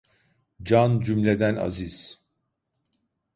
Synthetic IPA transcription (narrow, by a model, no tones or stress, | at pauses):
d͡ʒand͡ʒymlʲe̞d̪æna̰ziz̥